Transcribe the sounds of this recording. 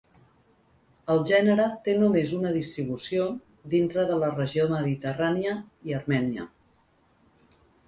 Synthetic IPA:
əlˠʒɛnəɾət̪enumezunəðist̪ɾiβusio | d̪int̪ɾəðələrəʒioməðit̪əraniəiəɾmɛniə̰

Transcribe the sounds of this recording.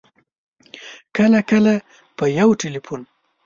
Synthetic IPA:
kəlakəla | pəjawʈɪlipun

